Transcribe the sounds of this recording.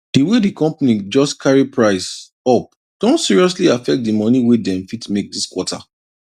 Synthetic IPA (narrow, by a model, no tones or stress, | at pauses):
d̥iwedikɔ̃mpanid͡ʒɔskʰaɹipʰɹaɪs | ɔp̚ | d̥õntsiɹiɔs̬liafɛk̚t̚dimɔniwedɛ̃mfitmek̚diskwɔtʰa̰